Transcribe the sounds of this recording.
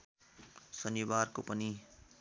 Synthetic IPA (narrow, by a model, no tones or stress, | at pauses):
sʌnibarkopʌni